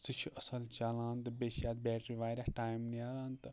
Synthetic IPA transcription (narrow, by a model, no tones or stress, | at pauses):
t̪ɨt͡ʃʰuʔɐsɐlt͡ʃaːlaːnt̪ɨbeʃjaːt̪̚bʲeːʈɾiʋaːɾʲahʈaːjmnijaːɾaːnt̪ɨ